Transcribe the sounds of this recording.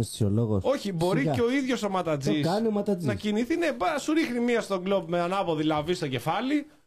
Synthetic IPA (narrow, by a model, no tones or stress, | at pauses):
ssoloɣoso̞çibo̞ɾieo̞iðʝo̞so̞mɐt̪ɐd͡zisɐnomɐt̪ɐd͡znɐciniθine̞bɐsuɾixnimiɐst̪o̞ɡlobmeɐnɐvoðilɐvist̪o̞ɟe̞fɐli